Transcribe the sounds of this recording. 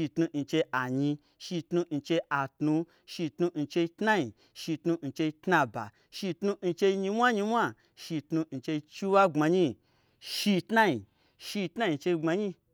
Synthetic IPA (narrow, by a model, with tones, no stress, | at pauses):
i˧tnu˧n̩˧t͡ʃe˧ʔa˨ɲi˧ | ʃi˧tnu˧n̩˧t͡ʃe˧a˨tnũ˧ | ʃi˧tnu˧n̩˧t͡ʃe˧i˧tna˦ɲi˨ | ʃi˧tnu˧n̩˧t͡ʃe˧i˧tna˧ba̰˨ | ʃi˧tnu˧n̩˧t͡ʃe˧i˧ɲi˧mʷ˦a˦ɲi˧mʷ˦a˦ | ʃi˧tnu˧n̩˧t͡ʃe˧i˧t͡ʃi˦wa˦ŋ͡ma˧ɲi˦ | ʃi˧tna˦ɲi˨ | ʃi˧tna˦ɲi˧t͡ʃe˧ɡ͡ba˧ɲi˧